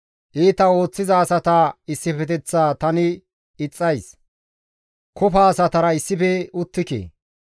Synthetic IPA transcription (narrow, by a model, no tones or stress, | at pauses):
ʔiːt̪ɐo̞ːt͡sːɪzɐːsɐt̪ɐɪsːɪfɛt̪ɛt͡sːaːt̪ɐnɪ | ɪt͡sʼːɐjs | kʰɔfaːsɐt̪ɐɾɐɪsːɪpɛʊt̪ːɪkḛː